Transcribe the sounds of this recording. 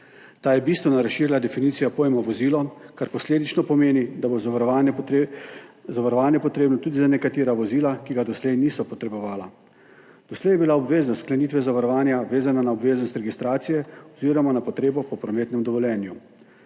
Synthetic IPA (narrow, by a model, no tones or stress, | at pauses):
t̪aːjɛbist̪ʋɛnɔɾasʃiːɾilad̪ɛfiniːt̪sijapoːjmɔʋɔziːlɔkaɾpɔsleːd̪it͡ʃnɔpɔmeːnid̪aboz | zaʋaɾɔʋaːnjɛpɔt̪ɾeːbnɔt̪uːd̪izanɛkat̪eːɾaʋɔziːlakiɡad̪ɔslɛjniːsɔpɔt̪ɾɛbɔʋaːla | d̪̥ɔslɛjɛbilaɔbʋeːznɔst̪klɛnit̪ʋɛzaʋaɾɔʋaːnjaʋeːzananaɔbʋeːznɔst̪ɾɛɡist̪ɾaːt̪sijɛɔziːɾɔmanapɔt̪ɾeːbɔpɔpɾɔmeːt̪nɛmd̪ɔʋɔljɛːnju